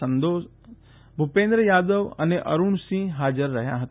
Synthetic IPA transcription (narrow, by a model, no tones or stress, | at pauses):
ɐ̃nd̪oː | bʱʊpẽːnd̪ɾəjaːd̪əʋɐ̰neʔɐ̰ɾʊɳsĩɦaːd͡ʒəɾːɐɦja̰ɦɐt̪